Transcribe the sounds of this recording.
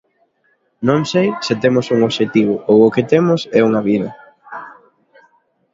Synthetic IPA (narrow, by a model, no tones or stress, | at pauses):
nõŋsejsɪt̪emʊsuŋoβʃet̪iβʊowʊkɪt̪emʊsɛuŋɐβiðɐ